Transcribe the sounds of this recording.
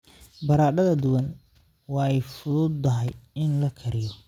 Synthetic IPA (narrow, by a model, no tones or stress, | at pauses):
bɐɾaːɖɐðɐd̪ʊwɐn | wɑːɛjfʊðʊːd̪̚t̪ɐɦɛjɪnlɐkʰɐɾɪjɔ